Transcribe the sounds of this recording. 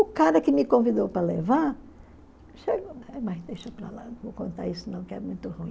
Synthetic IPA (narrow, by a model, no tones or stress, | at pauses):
ʊkaɾɐkɪmɪkõvid̪owpɾɐlevaɾ | ʃeɡomajzd̪ejʃopɾa̰lãvowkõnt̪a̰ɾisʊnɐ̃w̃kɪɛ̰mũj̃t̪ʊhũĩ